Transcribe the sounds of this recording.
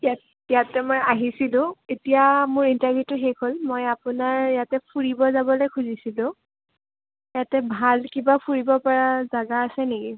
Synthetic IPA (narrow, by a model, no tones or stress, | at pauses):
jat | ijatɛmojaɦisilʊ̃etijamʊɹintaɹvʱjutʊxekʰolmojapʊnaɹjatɛpʰuɹibɔzabɔlojkʰuzisilʊ̃ | jatɛbʱalkibapʰuɹibɔpaɹazaɡaːsɛneɡi